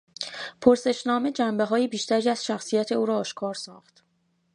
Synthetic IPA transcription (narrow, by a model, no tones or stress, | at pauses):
pʰoɾse̞ʃnɒːme̞d͡ʒæmbe̞ɦɒːjibiːʃt̪æɾiːæz̥ʃæxsijæt̪ʰe̞uːɾɒːʃkʰɒːɾsɒ̰ːxt̪